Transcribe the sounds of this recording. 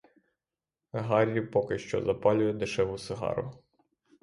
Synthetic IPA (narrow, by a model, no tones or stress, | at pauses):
ɦɑɾʲiwpɔkɪʃt͡ʃɔ̰zɐpɑlʲʊjɛd̪ɪʃɛʋʊsɪɦɑ̰ɾʊ̰